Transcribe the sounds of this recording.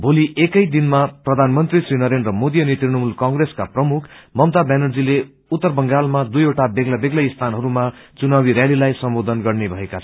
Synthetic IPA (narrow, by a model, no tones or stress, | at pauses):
bʱoliʔekʌjd̪inmaprʌd̪ʱanmʌnt̪risrinʌɾend̪rʌmod̪ijʌnit̪rinʌmulkʌŋɡreskaprʌmukʰmʌmt̪abanʌrd͡zile | ut̪ːʌrbʌŋɡalmad̪ujoʈabeɡlabeɡlaist̪ʰanɦʌɾumat͡sunawiɾjalilajsʌmbod̪ʱʌnɡʌrnebʱʌekat͡sʰʌ